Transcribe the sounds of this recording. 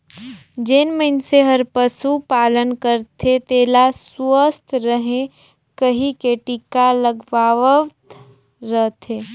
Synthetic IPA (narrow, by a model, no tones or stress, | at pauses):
d͡ʒenməɪnseɦəɾpəsupaːlənkəɾt̪ʰet̪eːlaswəst̪ɾəɦẽ | kəɦikeːʈikaləɡʋaːʋət̪ | ɾəɦt̪ʰeː